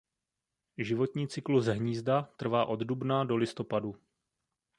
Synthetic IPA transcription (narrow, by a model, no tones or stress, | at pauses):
ʒɪvo̞t̪ɲiːt͡sɪkluzɦɲiːzdat̪r̩vaːʔo̞d̪dubnado̞lɪst̪o̞padu